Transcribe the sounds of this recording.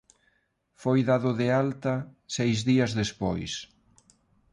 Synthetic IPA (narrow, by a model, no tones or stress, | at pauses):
fojðaðʊðealt̪ɐsejzðiɐzðespo̰js